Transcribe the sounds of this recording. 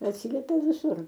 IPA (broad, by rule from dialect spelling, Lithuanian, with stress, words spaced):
ɐtʲˈsʲiːlʲɛpʲɛ ʋʲɪˈsʊr